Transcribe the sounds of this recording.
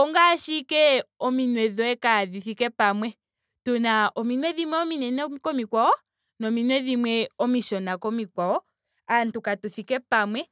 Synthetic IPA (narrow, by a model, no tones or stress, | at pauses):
ɔŋɡaʃikɛɔminwɛðɔɛkaðiθikɛpamwɛ | tɔnaɔminwɛðimwɛɔminɛnɛkɔmikwaɔ | nɔminwɛðimwɛɔmiʃɔnakɔmikwaɔ | antukatuθikɛpamwɛ